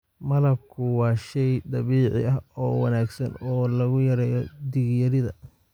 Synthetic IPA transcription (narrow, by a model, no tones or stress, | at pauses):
mɐlɐb̚kʰʊwɑːʃɛjd̪ɑβiːʕɪ̰ɐɦɔːwɑ̰naːɡsɐnɔːlɐɣʊjɐɾɛːjɔd̪iɣjɐɾɪðɐ̰